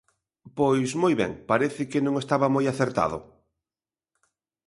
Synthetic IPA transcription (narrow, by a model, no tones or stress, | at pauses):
pojsmojβɛ̰ŋpaɾeθɪkɪnõŋest̪aβɐmojaθeɾt̪a̰ðʊ̰